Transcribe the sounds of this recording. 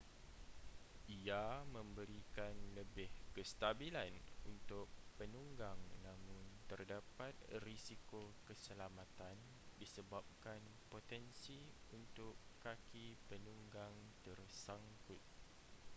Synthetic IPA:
iamə̃mbəɾikanləbɪhkəst̪abilanunt̪ʊk̚pənuŋɡaŋnãmʊ̃nt̪ərdapat̪̚risikokəsəlamãt̪an | disəbap̚kan | pot̪ɛnsiunt̪ʊkːakipənuŋɡaŋt̪ərsaŋkʊt̪̚

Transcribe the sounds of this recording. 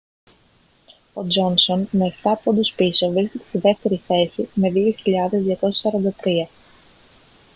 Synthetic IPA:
o̞d͡ʒo̞nsonmeːft̪ɐːpond̪uspiso̞vɾisket̪est̪iðe̞ft̪e̞ɾiθe̞sime̞ðioçiʎɐðe̞zðiɐko̞sɐ̥sɐɾɐnd̪ɐt̪ɾiɐ

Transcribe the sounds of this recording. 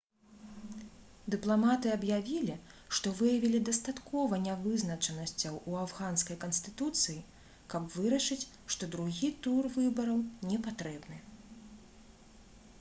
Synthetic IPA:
d̪ɨplˠamat̪ɨɐbjavʲilʲiʂt̪ɔvɨjɐvʲilʲid̪ɐst̪at̪kɔvɐnʲavɨznɐt͡ʂɐnɐsʲt͡sʲɐwʔuavɣanskɐjkɐnst̪ɨt̪ut̪sɨji | kɐpvɨɾɐʂɨt͡sʲ | ʂt̪ɔd̪ɾuɣʲit̪urvɨbɐɾɐwnʲɛpat̪ɾɛbnɨ

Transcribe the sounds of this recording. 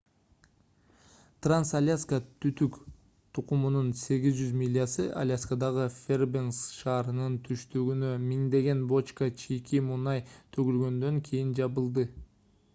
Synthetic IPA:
t̪ransalʲaskət̪ʰyt̪yk | t̪ʰuqumununse̞ɡʲizd͡ʒyzmʲilʲːijasɯʔa̰lʲaskad̪ɑʁɯfʲerbensʃɑːɾɯnɯnt̪ʰyʃt̪yɡynø̞miŋd̪e̞ɡe̞nbo̞t͡ʃkət͡ʃʰikimunɑjt̪ʰøɡylɡø̞nd̪ø̞ŋkʰijind͡ʒɑβɯlˠd̪ɯ

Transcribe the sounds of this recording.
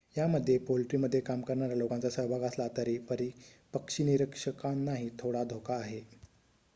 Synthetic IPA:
jaməd̪ʱːjepolʈɾiməd̪ʱːjekamkəɾɳaɾjalokãnt͡sasəɦbʱaɡəslat̪əɾiːpəɾipəkʂiniɾəkʂəkannːaɦit̪ʰoɽad̪ʱokaːɦe

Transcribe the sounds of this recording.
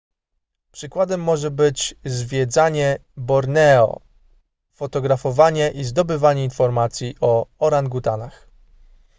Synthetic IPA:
pʂɘkwad̪ɛmːɔʐɛbɘt͡ɕzvʲjɛd̪zaɲɛbɔɾnɛɔ̰ | fɔt̪ɔɡɾafɔvaɲɛʔizd̪ɔbɘvaɲɛinfɔɾmat̪sʲjiʔɔɔɾanɡut̪anax

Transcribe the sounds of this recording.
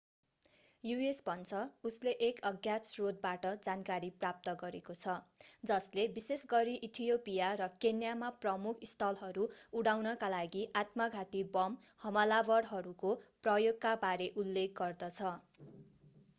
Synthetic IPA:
juesbʱʌnt͡sʰʌusleʔekʌɡjat͡srod̪̚baʈʌd͡zankaɾiprap̚t̪ʌɡʌɾekot͡sʰʌd͡zʌslebisesɡʌɾiʔit̪ʰijopijarʌkenjamaprʌmukʰist̪ʰʌlɦʌɾuuɽawnʌkalaɡiʔat̪mʌɡʱat̪ibʌm | hʌmʌlabʌɽɦʌɾukoprʌjoɡkabaɾeʔulːek̚ɡʌrd̪ʌt͡sʰʌ

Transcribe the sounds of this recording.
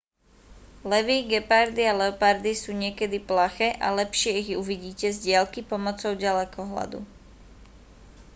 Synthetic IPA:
lɛʋiːɡɛpaɾd̪ialɛɔpaɾd̪isuːɲɪɛkɛd̪iplaxɛːʔalɛpʃɪɛiɣuʋiɟiːcɛzɟɪalkipɔmɔt͡sɔʊɟalɛkɔɦla̰d̪ṵ

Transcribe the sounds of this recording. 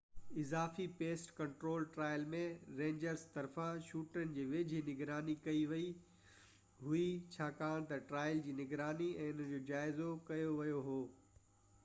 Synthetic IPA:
ɪzaːfipeːsʈkɐ̃ɳʈɾoːlʈɾaːɪəlmẽɾẽːɲd͡ʑəɾst̪ɐɾfãʃuːʈənɪ̆d͡ʑiːʋed͡ʑʱɪnɪɡɾaːnikɐiʋɐi | ɦʊit͡ɕʰaːkaːɽ̃t̪ɐʈɾaːɪld͡ʑiːnɪɡɾaːniɛ̃ːʊnəd͡ʑoːd͡ʑaːɪzokɐjoʋɐjoɦoː

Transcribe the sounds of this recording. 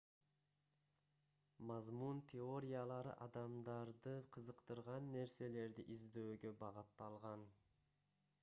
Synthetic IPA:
mɑzmunt̪ʲʰeo̞ɾʲijalˠɑɾɯ̰ʔɑd̪ɑmd̪ɑɾd̪ɯqʰəzəqt̪ɯɾʁɑnːe̞ɾse̞le̞ɾd̪iʔizd̪øːɡø̞bɑʁɯt̪ːɑlˠʁɑn

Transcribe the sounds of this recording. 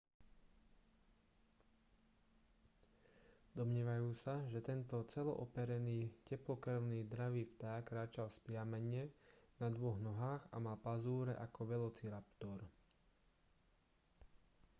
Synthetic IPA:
d̪ɔmɲɪɛːʋajuːsaʒɛt̪ɛnt̪ɔt͡sɛlɔ̰ʔɔpɛɾɛniːcɛplɔkr̩ʊniːd̪ɾaʋiːft̪aːkːɾaːt͡ʃalspɾɪamɛɲɛnad̪ʋɔɣnɔɦaːɣa̰malpazuːɾɛ̰ʔakɔʋɛlɔt͡siɾapt̪ɔɾ

